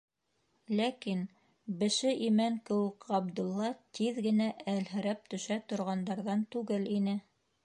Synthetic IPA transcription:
lækin | bɘ̆ʃɘʔimæŋkɘ̆wɘkʁɑb̚d̪ɤ̆lˠːɑt̪iðɡɘ̆næʔælɦɘ̆ɾæp̚t̪ɵ̆ʃæt̪ŏɾʁɑnd̪ɑɾðɑnt̪ʉɡɘlinɘ

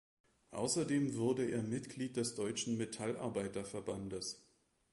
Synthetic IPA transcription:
ʔa̰ʊsɐdeːmvʊɐdəḛːɐmɪtɡ̥liːt̚d̥ɛsd̥ɔʏt͡ʃn̩metʰalʔa̰ɐbaɪtɐfɛɐbandəs

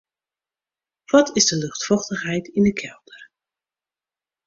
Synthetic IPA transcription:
ʋɔtʰɪzdəlɵχtfɔχtəχɦɛjtɪndəkʰɛlˠdər

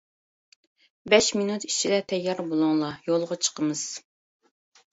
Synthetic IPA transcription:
bɛʃminut̪i̥t͡ʃʰilɛt̪ʰɛjːɑɾbolˠuŋlˠɑjolˠʁɑt͡ʃʰə̥qʰəmɨz̥

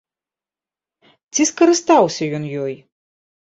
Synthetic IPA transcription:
t͡sʲiskɐɾɨst̪awsʲɐjɔnjɔj

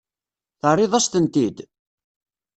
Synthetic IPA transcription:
θərˤːɪðˤæst̪ənt̪id̪

